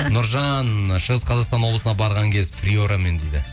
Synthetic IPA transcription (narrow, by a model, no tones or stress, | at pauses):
nʊɾʒɑnʃəʁəsqʰɑzɑqst̪ɑnwo̞blˠəsənɑbɑɾʁɑŋkʲʰe̞zpʰrʲioɾame̞nd̪ejd̪ɪ